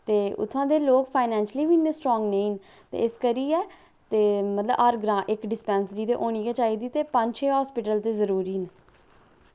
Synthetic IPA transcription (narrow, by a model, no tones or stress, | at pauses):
t̪eːʊ̰t̪ʰːãːd̪eːloːkpʰaːɪnɛ̃ːnʃliːʋiːnesʈɾɔːŋɡneiːn | t̪ḛːɪskəɾiːɛː | t̪eːmət̪ləbəɾɡɾãːʔɪkɖɪspɛ̃ːnsɾiːt̪eːʔoːñiːɡɛːt͡ʃaːiːd̪iːt̪eːpəɲd͡ʒt͡ʃʰeːɦɔːspɪʈəlt̪eːzəɾuːɾiːn